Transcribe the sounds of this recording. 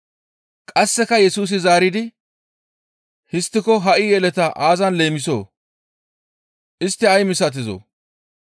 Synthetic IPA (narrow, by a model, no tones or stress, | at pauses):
kʼɐsːɛkɐjɛsuːs̬ɪzaːɾɪd̪ɪ | hɪst̪ːɪkɔɦɐʔɪjɛlɛt̪ɐʔaːzɐnle̞ːmɪso̰ː | ʔɪst̪ːɪɐjmɪsɐt̪̬ɪzo̰ː